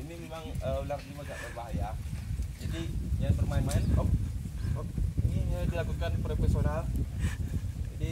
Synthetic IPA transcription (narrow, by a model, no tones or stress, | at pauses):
inimemaŋəularnimaɡaʔlərbaɦajad͡ʒadiɲabərmaɪnmaɪnɔp̚ɔp̚iniɲadilakukanpɾofesional | d͡ʒadi